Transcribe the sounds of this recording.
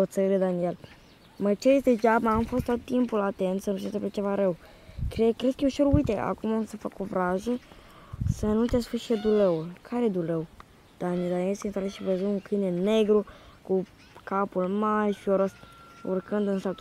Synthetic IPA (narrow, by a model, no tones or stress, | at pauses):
ot̪səɾed̪aniel | mət͡ʃeesd̪ed͡ʒabaːmfo̞st̪ot̪ːimpulat̪e̞nt̪sənuʃet̪eplet͡ʃe̞vaɾew | kɾekɾeskəjeʃeɾujt̪eʔa̰kumamsəfakovɾaʒə | sənut̪easfuʃed̪uleulkʰaɾed̪ulew | d̪̥anid̪anijelsent̪aɾeʃivəzuuŋkɨjneneɡɾuku | kapulmarʲʃioɾosṵrkɨnd̪ɨnsalt̪